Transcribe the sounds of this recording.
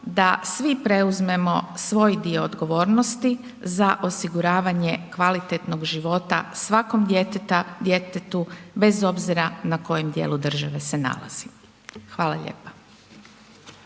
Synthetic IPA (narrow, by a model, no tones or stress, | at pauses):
d̪asʋipɾe̞uzme̞mo̞sʋo̞ːjd̪io̞ːd̪ɡo̞ʋo̞ːɾnost̪i | zaʔo̞siɡuɾaːʋaɲe̞kʋalit̪e̞t̪no̞ɡʒiʋo̞t̪a̰sʋako̞md̪jet̪et̪ad̪jet̪et̪ube̞zo̞bziɾanako̞jemd̪jḛlud̪r̩ʒaʋe̞sena̰lˠa̰z̥i | xʋaːlˠaʎḛːpḁ